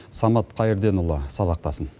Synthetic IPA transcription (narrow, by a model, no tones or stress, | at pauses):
sɑmɑt̪qʰɑjəɾd̪e̞nʊlˠːəsɑβɑq̚t̪ɑsən